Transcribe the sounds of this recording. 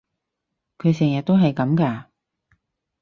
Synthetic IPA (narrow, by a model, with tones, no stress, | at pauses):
kʰɵ˨˧ɥs̬ɛː˨˩ŋjɐ˨t̚t̪o˥wɦɐ˨jkɐ˨˥mkaː˧